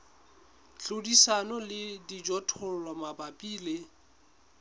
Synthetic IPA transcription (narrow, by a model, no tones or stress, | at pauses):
t͡ɬodisanɔlɪdid͡ʒɔtʰʊl̩lamabapʼiːlɪ